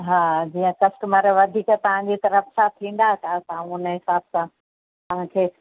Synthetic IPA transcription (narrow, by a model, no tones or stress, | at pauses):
ɦaːd͡ʑiːə̃kɐsʈʊməɾʋɐd̪ʱiːkt̪ɐʋ̤ãd͡ʑit̪ɐɾəfsʰãt̪ʰĩːn̆d̪at̪ʰat̪aãũʊnəɦɪsaːbsã | t̪ɐʋ̤ãkʰeː